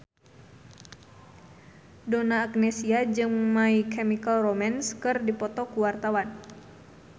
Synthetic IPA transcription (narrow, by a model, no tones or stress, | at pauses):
donaːk̚nɛsiad͡ʒɨŋmaikɛmikalromanskɨrdipɔt̪ɔkuwart̪awan